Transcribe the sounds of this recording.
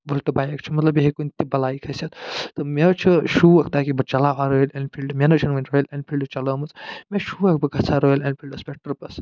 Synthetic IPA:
bɐlʈɐbaːjɐkt͡ʃʰimɐt̪lɐbjeɦikunʲt̪ibɐlaːikʰɐsʲɐt̪t̪ɨmet͡ʃʰɐʃuːɐkʰt̪aːkibɐt͡ʃɐlaːʋaːɾoilɐnpʰilɖɨmenɐt͡ʃʰɐnʋɐnʲɾoːelʲɐnpʰilɖɨt͡ʃɐləːmɐt͡smeʃuːɐk̚bɐɡɐt͡sʰaːɾoːelɐnpʰilɖɐspʲek̚ʈɐɾpɐs

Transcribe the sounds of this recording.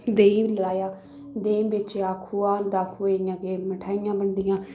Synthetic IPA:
d̪eːilaːjaː | d̪eːbɪt͡ʃeaːkʰːuːãːnd̪aːkʰuːeːjãːkeːməʈʰaːɪjãːbəɳɖ̪ɪjãː

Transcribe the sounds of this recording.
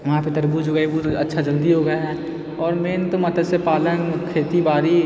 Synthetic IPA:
ʋɐɦãpet̪ɐɾbud͡ʒoɡaibut̪oɐtːʃʰad͡ʒəld̪iɦoɡəaɦɛː | ɔːɾmeːnt̪omɐt̪əd̪sepaːlənkʰeːt̪ibaːɾi

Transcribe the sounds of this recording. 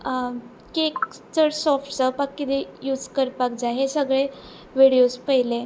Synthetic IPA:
kekt͡səɽsɔfʈsəpakːid̪ejud͡zkəɾpak̚d͡zaɦesəɡɭe | ʋiɽijospəɦile

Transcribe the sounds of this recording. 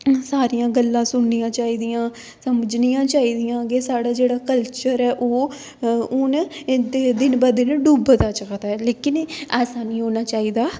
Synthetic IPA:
saːɾijãːɡəlːãːsʊɳnijãːt͡ʃaːiːd̪ɪjãː | səməd͡ʒnijãːt͡ʃaːiːd̪ɪjãːɡeːsaːɽaːd͡ʒeːɽaːkəlt͡ʃəɾɛːʔoː | ʊnd̪ed̪ɪnbaːd̪eneɖuːbd̪aːt͡ʃəkt̪aɛːleːkɪnɛːsaːnĩːɦoːnaːt͡ʃaːiːd̪aː

